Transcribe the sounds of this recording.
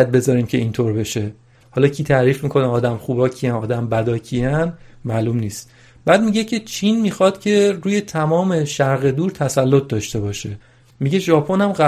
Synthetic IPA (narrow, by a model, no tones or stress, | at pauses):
æt̪̚be̞zɒːɾiːmcʰe̞iːnt̪ʰoɾbe̞ʃe̞ | hɒːlɒːcʰiːt̪ʰæɾiːfmikʰo̞neɒːd̪æmχuːbɒcʰiænɒːd̪æmbæd̪ɒːcʰiænmæːlumniːst̪ | b̥æːd̪̚miɟecʰe̞t͡ʃʰinmiːxɒːd̪̥cʲʰe̞ɾuːje̞t̪ʰæmɒːme̞ʃæɾɣe̞d̪uːɾt̪ʰæsælːot̪̚ʰd̪ɒːʃt̪e̞bɒːʃe̞ | miɟe̞ʒɒːpʰonæmɢæ